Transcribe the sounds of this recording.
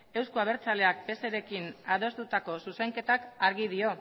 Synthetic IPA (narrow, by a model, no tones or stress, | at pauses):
e̞wskuaβ̞e̞ɾt͡sale̞ak̚pe̞seɾe̞kinaðo̞st̪ut̪ako̞suseŋke̞t̪akaɾɣið̞io̞